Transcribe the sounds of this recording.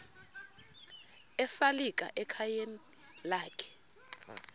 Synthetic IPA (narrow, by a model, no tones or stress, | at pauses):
ɛfalik̬ʼa̰ʔɛkʰajeni | laːkʰɛ̥